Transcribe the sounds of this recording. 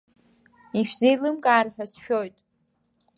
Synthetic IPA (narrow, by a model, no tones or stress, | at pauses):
iʃᶣzejlɨmkʼaːrħᶣasʃᶣojtʼ